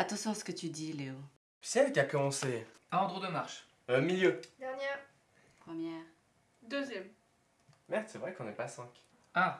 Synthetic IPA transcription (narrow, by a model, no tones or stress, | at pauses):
at̪ɑ̃sjɔ̃asə̥kət̪yd̪ileo | psɛlkʲiakɔmɑ̃se | ãɑ̃d̪ʁod̪əmaʁʃ | əmiljød̪ɛʁnjɛʁ | pχəmjɛːʁ | d̪øzjɛm | mɛʁt̪sɛvʁɛkɔ̃nɛpasɛ̃kʲ | a